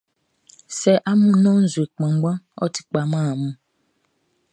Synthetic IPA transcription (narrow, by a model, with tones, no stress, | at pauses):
sɛ˨ʔa˦mũ˦nɔ̃˦n̩˦zwe˨k͡pã˨ŋ˦ɡ͡bã˦ɔ̰˦tʰi̥˦k͡pa˨mã˦˨mũ˦